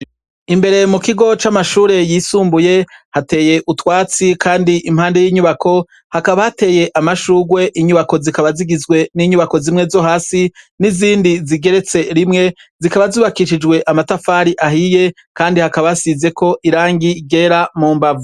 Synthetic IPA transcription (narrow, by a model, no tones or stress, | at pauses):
imbe̞ɾe̞mukiɡo̞t͡ʃamaʃuːɾe̞jiːsuːmbuje̞hate̞ːje̞ʔutwaːt͡sikʰaːndiʔimhaːnde̞jiːɲuβakʰo̞ | hakaβahate̞ːje̞ʔamaʃuːɡwe̞ʔiɲuβako̞zikaβaziɡizɡwe̞niɲuβako̞zimŋe̞zo̞haːsi | niziːndiziɡe̞ɾe̞t͡se̞ɾimŋe̞zikaβazuːβakiʃid͡ʒɡwe̞ʔamatafaːɾiʔahije̞ | kaːndihakaβaasize̞kʰo̞ʔiɾaːŋɡiɡe̞ɾamuːmbavu